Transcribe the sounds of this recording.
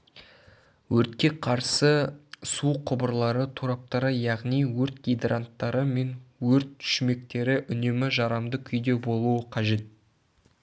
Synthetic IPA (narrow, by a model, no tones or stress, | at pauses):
wɵɾt̪kʲe̞qʰɑɾsəsuqʰʊbəɾlˠɑɾət̪ʰuɾɑp̚t̪ɑɾəjɑʁnijwɵɾt̪̚ɡʲijd̪rant̪ːɑɾəme̞nwɵɾt̪ːʰʏ̥ʃme̞k̚t̪e̞ɾɪʔʏne̞mɪʒɑɾɑmd̪əkʲʰʏjd̪e̞bo̞lˠuəqʰɑʒe̞t̪̚